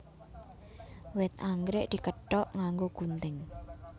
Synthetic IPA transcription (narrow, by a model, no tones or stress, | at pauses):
wɪt̪̚aŋɡɾɪʔd̪̥i̤kəɖ̥ɔʔŋaŋɡoɡ̥unt̪ɪŋ